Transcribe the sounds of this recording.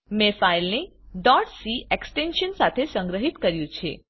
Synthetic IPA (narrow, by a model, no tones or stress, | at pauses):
mefailneɖɔʈsieksʈenʃənsat̪ʰesə̃ŋɡɾəɦit̪kəɾjũt͡ʃʰḛ